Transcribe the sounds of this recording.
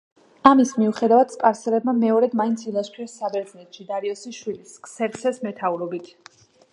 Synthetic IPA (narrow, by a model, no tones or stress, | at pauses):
amismiuχɛd̪avad̪̥spʼaɾsɛlɛbmamɛɔɾɛd̪maint̪sʰilˠaʃpʰiɔɾsabɛɾd̪znɛt̪ʰʃid̪aɾiɔsiʃwiliskʼsɛɾt̪sʰɛsmɛt̪ʰauɾɔbit̪ʰ